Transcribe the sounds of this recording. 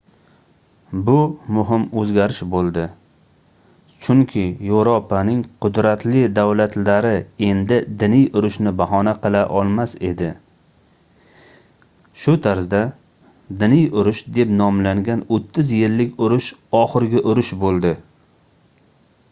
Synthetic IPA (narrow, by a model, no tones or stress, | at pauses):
bʊmʊɦɪmɵzɡʲaɾɪʃbolˠd̪ɪ | t͡ʃʰʊŋkʲʰɪjowɾopʰanɪŋqʰʊd̪ɾat̪lɪd̪awlat̪laɾɪe̞nd̪ɪd̪ɪnɪjʊɾʊʃnɪbaɦɒnaqɨlˠaʔɒlˠmase̞d̪ɪ | ʃʊt̪ʰaɾzd̪a | d̪ɪnɪjʊɾʊʃd̪e̞pnɒmlaŋɡʲanot̪ʰːɪzjɪlːɪkʲʊɾʊʃɒχɨɾɡʲɪʔʊɾʊʃbolˠd̪ɪ